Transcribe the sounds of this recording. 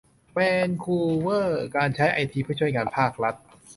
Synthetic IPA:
pɛː˧nkʰuː˧wɤː˥˩kaː˧nt͡ɕʰa˦˥jʔa˧jt̪ʰiː˧pʰɯː˥˩t͡ɕʰu˥˩jŋaː˧npʰaː˥˩k̚ɾa˦˥t̪̚

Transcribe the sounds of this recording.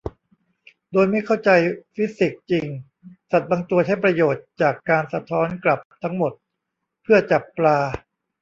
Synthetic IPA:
doː˧jma˥˩jkʰa˥˩wt͡ɕa˧jfi˦˥si˨˩k̚t͡ɕi˧ŋ | sa˨˩t̪̚baː˧ŋt̪u˧ət͡ɕʰa˥˩jpɾa˧joː˨˩t̪̚t͡ɕaː˨˩kːaː˧nsa˧t̪ʰɔː˦˥nkla˨˩p̚t̪ʰa˦˥ŋmo˨˩t̪̚ | pʰɯ˥˩ɐt͡ɕa˨˩pːlaː˧

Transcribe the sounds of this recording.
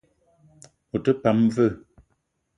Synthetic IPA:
o˨tə˦pa˨˦mvə˦˨

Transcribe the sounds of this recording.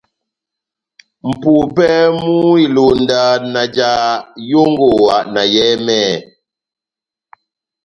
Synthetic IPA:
m̩˨puː˨pɛ˦mu˦i˦˨lo˨ndaː˨na˨d͡ʒaː˦jo˦ŋɡo˨wa˨na˨jɛ˦mɛː˦˨

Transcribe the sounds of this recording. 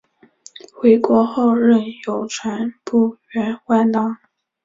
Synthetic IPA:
xwe˧˥ɪkwɔ˧˥xo˥˧ʊɻə˥˩njo˨˩ʊʈ͡ʂʰwa˧˥npu˥˩ɥɛ˧˥nxwa˥˧˩nt̪ɑ˥ŋ

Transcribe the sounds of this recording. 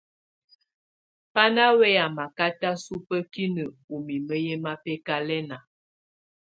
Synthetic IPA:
pa˦na˦wɛ˦a˨ma˨ka˦ta˦su˦pə˦ki˦nə˨u˨mi˨mə˦jɛ˦ma˦pɛ˦ka˦lɛ˦na˨

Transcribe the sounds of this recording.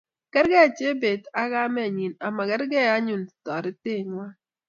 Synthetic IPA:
kɛ˦ɾɡɛ˦a˨t͡ʃe˦be˨da˦ɡa˦mɛ˦˨ɲi˨na˨ma˨kɛ˦ɾɡɛ˦a˦ɲu˨ntɔ˨ɾɪ˦te˦˨ɲwa˦

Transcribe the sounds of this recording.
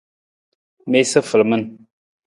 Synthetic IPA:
me˦sə˦fə˨lmə˦n

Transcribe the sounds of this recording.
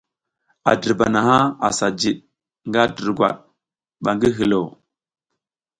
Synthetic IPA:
a̰˨də˨ɾba˨na˨ɦa˦a̰˨sa˨d͡ʒi˨ɗ | ŋɡa˦də˨ɾɡʷwa̰˨ɗ̚ | ɓa˨ŋɡi˦ɦi˨lo˨

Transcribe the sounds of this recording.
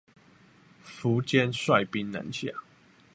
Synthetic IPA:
fu˨˦t͡ɕjɛ˦nswa˥˨ɪpi˦nnə̰˨˧˦nɕja̰˥˨

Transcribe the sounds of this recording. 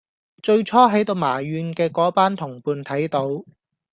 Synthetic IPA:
t͡ʃɵ˧ɥt͡ʃʰɔː˥ɦɐ˨˥jt̪o˧wmaː˨˩ɥyː˨˧nkɛː˧kɔː˨˥paː˥nt̪ʰʊ˨˩ŋpuː˧nt̪ʰɐ˨˥jt̪o˧w

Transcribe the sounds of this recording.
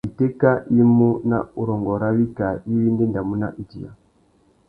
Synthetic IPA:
i˨tɛ˦ka˦i˦mu˦na̰˦u˨ɾɔ˨ŋɡɔ˨ɾa˦βi˦ka˨i˦βi˦ndɛ˦nda˨mu˦na̰˦ʔi˨d͡ʒḭ˨ja̰˨

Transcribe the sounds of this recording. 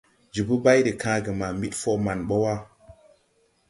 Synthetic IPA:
d͡ʒi˨bu˦ba˦jɾi˨kã˨˦ɡə˨ma˨mi˦tfo˦ma˨nɓo˦wa˦

